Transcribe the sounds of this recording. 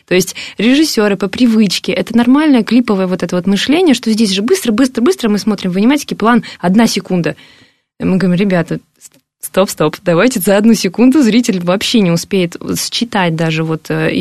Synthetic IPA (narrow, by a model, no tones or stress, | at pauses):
t̪o̞jɪsʲtʲɾʲɪʐɨsʲːo̞ɾɨpəpɾʲɪvɨt͡ɕkʲɪʔɛt̪ənɐrmalʲnəjəklʲipəvəjəvo̞t̪ɛt̪əvo̞t̪mɨʂlʲenʲɪjəʂt̪o̞zʲdʲesʲʐɨbɨst̪ɾəbɨst̪ɾəbɨst̪ɾəmɨsmo̞t̪ɾʲɪmvənʲɪmatʲɪ̥kʲɪplˠanɐd̪nasʲɪkund̪ə | mɨɡəvɾʲimɾʲɪbʲat̪ə | st̪o̞pst̪o̞pd̪ɐvajtʲɪzəɐd̪nusʲɪkund̪ʊzɾʲitʲɪlʲvɐpɕːenʲɪʊspʲejɪt̪st͡ɕːɪt̪at̚ʲd̪aʐɨvo̞t̪ː